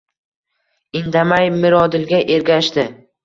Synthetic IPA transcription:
ɪnd̪amajmɪɾɒd̪ɪlɡʲaʔe̞ɾɡʲaʃt̪ɪ

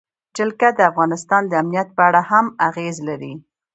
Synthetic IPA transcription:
d͡ʒɪlkad̪əafɣɑnɪst̪ɑnd̪əamnijat̪̚pəaɽahamaɣezlaɾi

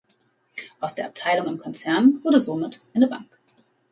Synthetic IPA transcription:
ʔaʊsd̥eːɐap̚tʰaɪlʊŋɪmkʰɔnt͡sɛɐnv̥ʊɐdəzomɪtʔaɪnəba̰ŋk

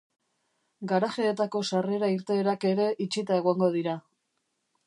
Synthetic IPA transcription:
ɡaɾaʝeːt̪ako̞sare̞ɾaiɾt̪e̞ːɾake̞ɾe̞ʔit͡ʃit̪ae̞ɣ̞oŋɡo̞ðiɾa

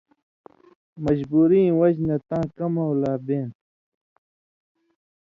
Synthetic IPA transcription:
mɐd͡ʑbuːɾĩːwɐd͡ʑnɐt̪ãːkɐmɐwlaːbeːn

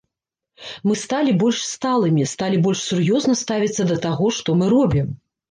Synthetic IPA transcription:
mɨst̪alʲibɔlʲʂst̪alˠɨmʲist̪alʲibɔlʲʂsʲurjɔznɐst̪avʲit̪sːɐd̪ɐt̪aɣɔʂt̪ɔmɨɾɔbʲim

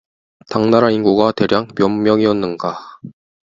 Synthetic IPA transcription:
taŋnaɾainɡuɡate̞ɾjaŋmjʌmmːjʌŋiʌnːɯnɡa

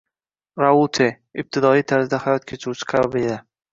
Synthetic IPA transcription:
ɾaulˠt̪ʰe | ɪb̚t̪ʰɪd̪ɒijt̪ʰaɾzɪd̪ahajɒt̪̚kʲʰet͡ʃʰɪɾut͡ʃʰɪ̥qʰɑbabɪed̪a

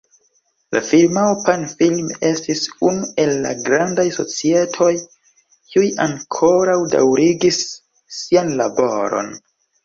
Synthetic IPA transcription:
lʔa̰filmawpanfilme̞stisunue̞lːa̰ɡɾandajso̞t͡sie̞tʰo̞j | kiujaŋkʰo̞ɾawda̰wɾiɡisː | ianlabo̞ɾo̞̰n

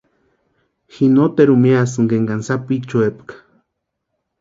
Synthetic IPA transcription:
xinot̪eɾumiasɨŋɡeŋɡansapit͡ʃuepkḁ

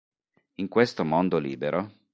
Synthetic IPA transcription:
iŋkwest̪omond̪olḭːbeɾʔo

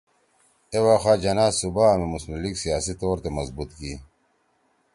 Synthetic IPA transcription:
ewaːxaːd͡ʑɐnaːzsubaːɐmemusnuliksijaːsit̪oːɾt̪emɐzbut̪kiː

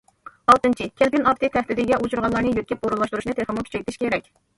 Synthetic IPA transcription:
ɑlˠt̪ɨnt͡ʃʰikʲʰelpʲinɑp̚t̪ʰɨt̪ʰæχt̪ɪd̪ɪɡʲɛʔut͡ʃʰuɾʁɑlˠɑɾnɨjøt̪̚kʲʰip̚oɾulːˠɑʃt̪uɾuʃnɨt̪ʰeɾχəmukʲʰy̥t͡ʃɛkʲt̪ʰɪʃʲkʲʰeɾɛkʲ

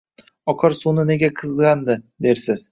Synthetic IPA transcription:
ɒqʰɑɾsunɨne̞ɡʲaqʰɨzʁɑnd̪ɨd̪eɾsɪz̥

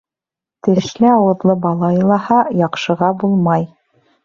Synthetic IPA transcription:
t̪ɘ̆ʃlɘɑwɤ̆ðlˠɤbɑlˠɑɤ̆lˠɑhɑjɑqʃɤ̆ʁɑbulˠmɑj

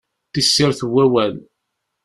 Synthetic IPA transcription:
t̪isːɪɾθwːæwæl

